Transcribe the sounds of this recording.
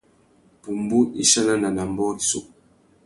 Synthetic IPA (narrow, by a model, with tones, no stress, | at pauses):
pu˨mbu˦i˦ʃa˦na˦na˨na˨m˦bɔ˦i˨so̰˦˨